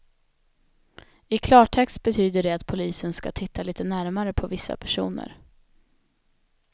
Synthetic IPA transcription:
ɪkʰlɑːʈʰɛkst̪̚bɛt̪ʰyːd̪əɖɛat̪pʰʊliːsənska̰t̪ʰɪt̪ːaliːt̪ənæɾmaɾəpʰɔvɪsːa̰pʰæʂṵːnə̰ɾ

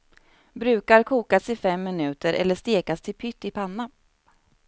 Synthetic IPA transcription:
bɾʉ̟ːkaɾkʰuːkasɪfɛmːɪnʉ̟ːt̪əɾʔɛ̰lːəʂt̪eːkast̪ʰɪlpʰʏt̪ːɪpʰanːa

